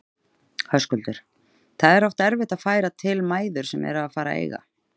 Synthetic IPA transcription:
hœskʏlt̪ʏɾ̥ | θaðɛɾɔwft̪ɛɾvɪht̪aðfaːjɾat̪ʰɪlmaːjðʏɾ̥sɛmɛ̰ɾaðfaːɾa̰ḛjɣa̰

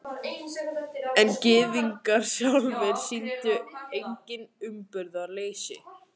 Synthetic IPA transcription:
ɛncɪːðiŋkaɾ̥sjawlvɛɾ̥sint̪ʏejɲkcɪnʏmpʏɾðaleːjsɪ̰

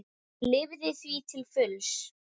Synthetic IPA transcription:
lɪvðɪθvit̪ʰɪlfʏls

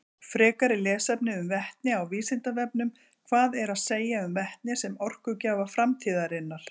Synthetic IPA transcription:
fɾɛːkaɾɪlɛːsɛpnɪʏmvɛht̪nɪawviːsɪnt̪avɛp̚nʏm | kʰvaːðɛɾaðseːjaʏmvɛht̪nɪsɛmɔr̥kʏcaːvafɾamt̪ʰiːðaɾɪnːal̥

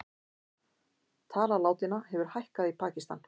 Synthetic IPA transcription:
t̪ʰaːlalaːwt̪ɪnahɛvʏɾ̥hajhkaðipʰaːcist̪an

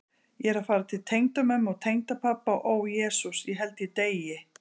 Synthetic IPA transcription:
jɛɾafaːɾat̪ʰɪlt̪ʰejŋt̪amɛmɔɣt̪ʰejŋt̪apʰapːaʔowjɛːsusiɦɛlt̪ɪt̪eːjɪ

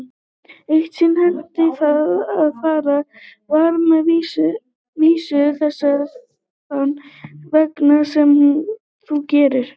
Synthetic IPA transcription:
ejht̪sɪnhɛnt̪ɪθaðaðfaːɾa | vaɾmɛðviːsʏ | viːsʏθɛsːa | anːvɛknasɛm | θucɛːɾɪɾ̥

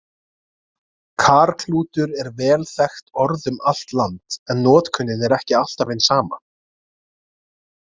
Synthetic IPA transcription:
kʰaːɾkʰluːt̪ʏɾɛɾvɛːlθɛxt̪ɔɾðʏmal̥t̪lant̪ɛnːɔːt̪kʰʏnːɪnɛɾɛhcɪal̥t̪avejnsaːma̰

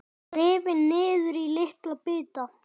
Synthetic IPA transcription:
ɾeːvɪnːɪːðʏɾilɪht̪lapɪːt̪a

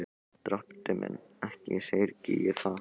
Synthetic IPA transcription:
t̪ɾapt̪ɪmʔɛ̰nː | ɛhcɪsejɾcijɪθa

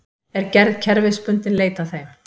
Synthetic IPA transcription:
ɛɾcɛɾðcʰɛɾvɪðspʏnt̪ɪnleːjt̪aθejm

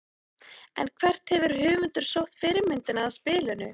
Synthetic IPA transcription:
ɛ̰nkʰvɛr̥t̪hɛvʏɾ̥hʏːvʏnt̪ʏɾ̥sow̪fɪɾɪmɪnt̪ɪnaːðspɪːlʏnʏ

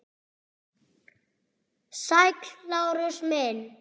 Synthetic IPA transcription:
sajklawɾʊsmɛn

